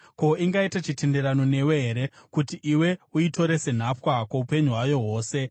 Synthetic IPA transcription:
ko̞iŋɡaitat͡ʃite̞ndeɾano̞ne̞weɦeɾe̞kutiʔiwe̞uito̞ɾe̞se̞n̤apwakaupe̞ɲuɦwajoɦo̞ːse̞

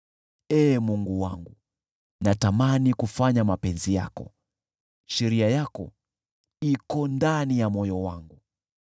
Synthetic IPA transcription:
ɛːmuŋɡuwaŋɡu | natamanikufaɲamapɛnzija̰kɔ̰ | ʃɛɾiajakɔ̰ | ikɔndanijamɔjɔwaŋɡu

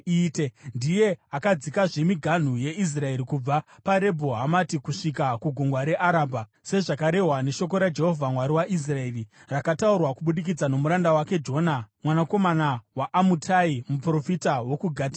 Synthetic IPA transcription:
itendije̞akad͡zikaʐe̞miɡʱan̤uje̞is̬rae̞ɾikub͡vapaɾe̞bʱoɦamatikuʂikakuɡʱoŋɡwaɾe̞ʔaɾaːbʱa | se̞ʐakaɾe̞ɦwane̞ʃo̞k̬o̞ɾad͡ʒe̞ɦo̞vʱamwaɾiwaʔis̬rae̞rirakataurwakuɓuɗik̬id͡zano̞muɾandawake̞d͡ʒo̞ːnamwanako̞manawaʔamutʰaimupro̞fitawo̞kuɡʱaːti

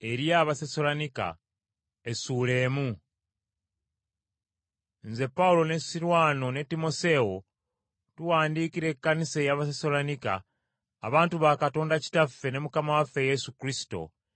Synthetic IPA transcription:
e̞ɾijaːβaseso̞lanika̰ | e̞suːle̞ːmu | nze̞pːaulo̞ne̞siɾwaːno̞ne̞tːimo̞se̞o̞ | tuwaːndikiɾe̞kːanise̞jaβas̬eso̞lanika̰ː | βaːntuβakato̞ːndaci̥tafːe̞ne̞mukamawafːe̞je̞sukɾisi̥to̞̰

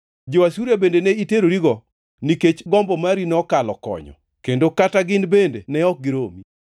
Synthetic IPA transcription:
d͡ʒowasuɾjebendeneiteɾoɾiɡɔ | niket͡ʃɡɔmbɔmaɾinɔkalɔ̰kɔ̰ɲɔ̰ | kendokataɡɪnbendḛnɛɔk̚ɡɪɾomi

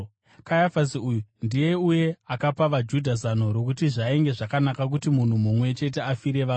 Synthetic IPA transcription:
kajafasiujundije̞uje̞akapaʋad͡ʒudʱazano̞ɾo̞kutiʐaeŋɡe̞ʐakanakak̬utimun̤umumwe̞t͡ʃe̞te̞afiɾe̞ʋa

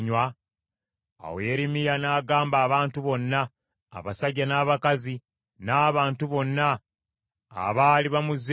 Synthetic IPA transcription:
ɲwa | a̰weːɾimijanaːɡaːmbaːβaːntuβo̞nːa̰ː | βasaɟːanaːβakazi | naːβaːntuβo̞nːa̰ː | βaːliβamuze

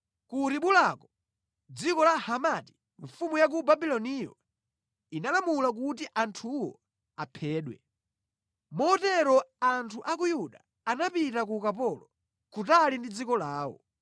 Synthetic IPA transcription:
kuɾiɓulakɔ | d͡zikɔlahamati̥ | ɱfumujak̬ubabilɔnijɔ̰ | inalamulak̬utiʔantʰuwɔ̰ | apʰɛːɗwɛ̰ | mɔtɛɾɔantʰuʔakujuɗaː | napitak̬ukapɔlɔ | kutalindid͡zikɔlaːwɔ̰

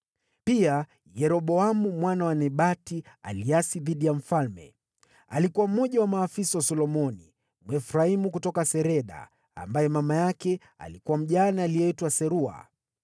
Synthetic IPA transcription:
pia | jɛɾɔɓɔamumwanawanɛɓatia̰liasiðiɗijam̩falmɛ̰ | alikuwam̩mɔʄawamaːfisawasɔlɔmɔnḭ | mwɛfuɾaimukutɔkasɛɾɛɗa̰ː | mbajɛmamajakɛ | a̰likuwam̩ʄanaːlijɛitwasɛɾua̰

